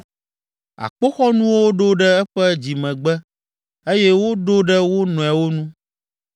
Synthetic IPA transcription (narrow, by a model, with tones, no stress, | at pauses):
a̰˨k͡po˦xɔ˦nũ˦wo˦ɖo˦ɖɛ˦ɛ˦ɸɛ˦d͡ʑi˨mɛ̃˨ɡ͡bɛ˦ | e˦jɛ˦wo˦ɖo˦ɖɛ˦wo˦nɔ̃˨ɛ˨wo˦nũ˦